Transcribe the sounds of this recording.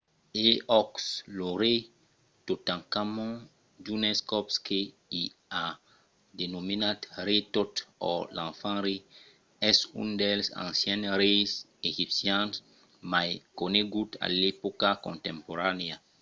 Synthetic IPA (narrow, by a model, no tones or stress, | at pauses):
eɔksloɾe | t̪ot̪ãŋkamõ | d͡ʒuneskɔpske | i | a | d̪enominat̪ɾet̪ot̪ɔ̰lãnfãnɾi | ɛsṵ̃nd̪elsã̰nsjɛ̃nɾejs | eʒipsjans | majkoneɡut̪a̰lepokakõnt̪ẽmpoɾanea